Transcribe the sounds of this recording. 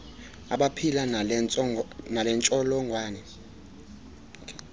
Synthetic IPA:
a̰ɓapʰila | nalɛnt͡ʃʼɔlɔŋʱwaːnɛ | k

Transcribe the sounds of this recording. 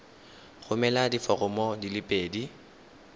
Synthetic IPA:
χʊmɛladifɔɣʊmɔdilɪpʼeːdi

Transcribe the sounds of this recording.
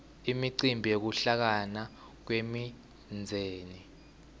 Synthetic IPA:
imiǀimbʱiek̬uɬak̬ana | k̬wemi | nd͡zʱeːni

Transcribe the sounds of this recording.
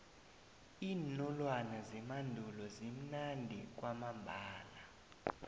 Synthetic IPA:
iːnɔlwanazimandʱulɔzim̩nandʱik̬ʼwamambʱaːla

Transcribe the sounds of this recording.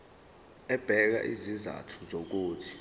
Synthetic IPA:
ɛb̥ʱɛk̬a̰ʔiziza̰tʰu̥zok̬uːtʰi̥

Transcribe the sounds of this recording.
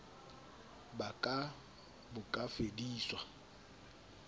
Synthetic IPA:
bakʼa | bʊkʼafediːswa

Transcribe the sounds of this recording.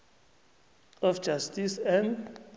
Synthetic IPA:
ɔfd͡ʒastisɛ̃nd

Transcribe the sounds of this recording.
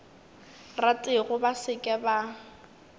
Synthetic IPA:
ratʼɪɣʊbasɪkʼɛba

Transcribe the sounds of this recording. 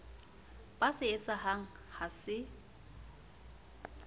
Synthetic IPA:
bʼasɪet͡sʼahaŋ̩ | hasɪ

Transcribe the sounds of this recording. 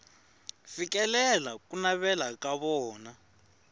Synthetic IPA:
fikɛlɛlakʼunaβɛlakaβɔːna

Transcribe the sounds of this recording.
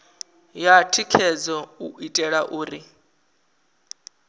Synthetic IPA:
jatʰikʰɛd͡zɔuʔitʼɛɺaʔuːɾi

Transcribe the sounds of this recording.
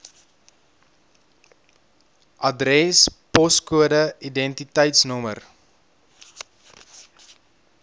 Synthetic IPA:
ʔɐdrɛspɔskuədəidɛntitəjtsnɔmə̰r

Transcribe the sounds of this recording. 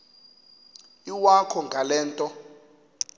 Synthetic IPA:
iwakʰɔŋɡʱalɛːntʼɔ

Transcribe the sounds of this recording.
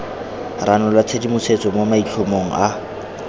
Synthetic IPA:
ranɔlwat͡sʰedimʊsʰet͡sʼɔmomait͡ɬʰomoŋ̩ʔa

